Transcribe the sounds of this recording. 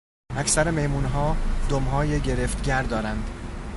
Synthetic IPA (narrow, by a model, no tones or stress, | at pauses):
æcʰsæɾemejmuːnɦɒːd̪̥omɦɒːjeɟe̞ɾeft̪ɟʲæɾd̪ɒːɾænd̪